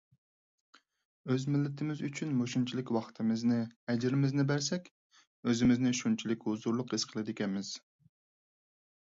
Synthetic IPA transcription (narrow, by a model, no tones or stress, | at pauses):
øzmɪlːɪt̪ʰɪmɪzyt͡ʃʰynmoʃunt͡ʃʰilˠɪkʲwɑχt̪ʰɨmɪznɨɛd͡ʒɪɾɪmɪznɪbæɾsɛkʲ | øzɪmɪznɪʃunt͡ʃʰilɪkʲhuzuɾlˠʊqiz̥qʰəlˠɨd̪ɪkʲɛnmɪz̥